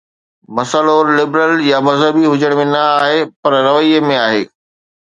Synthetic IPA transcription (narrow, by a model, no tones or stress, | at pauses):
mɐsəloːɾlɪbɾəljamɐzɦəbiɦʊd͡ʑəɽ̃mẽnɐaːɦepɐɾɾɐʋəiəmẽaːɦḛː